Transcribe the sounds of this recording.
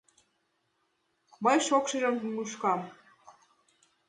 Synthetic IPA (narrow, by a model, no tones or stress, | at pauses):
mɤjʃokʃɤʒɤ̆mmuʃkɑm